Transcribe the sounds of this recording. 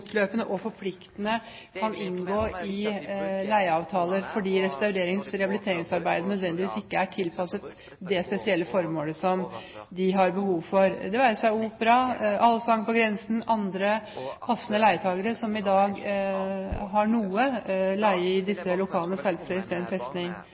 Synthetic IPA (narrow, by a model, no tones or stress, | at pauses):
t̪løːpənəʔɔfɔɾpʰlɪkt̪ənə | kʰɑnʔɪnɡoːɪ | læɪəɑːʋt̪ʰɑːləɾfɔɖiːɾɛst̪ɑʉɾeːɾɪŋsɾɛhɑbɪlɪt̪ʰeːɾɪŋsɑɾbæɪd̪ənœd̪ʋɛnd̪ɪʋiːsɪkːəæʈʰɪlpʰɑsət̪ | d̪ɛspɛsɪɛlːəfɔɾmoːləsɔmd̪ɪɦɑɾbəhuːʋfɔɾd̪ɛʋæːɾəsæɪuːpɾɑʔɑlːəsɑŋpɔɡɾɛnsən̩ɑnd̪ɾəpʰɑsːənəlæɪət̪ʰɑːɡəɾəsɔmɪd̪ɑːɡ | ɦɑɳuːəlæɪəɪd̪ɪsːəlʊkʰɑːlənəsɛlflɛɾst̪ɛːnfɛst̪nɪŋ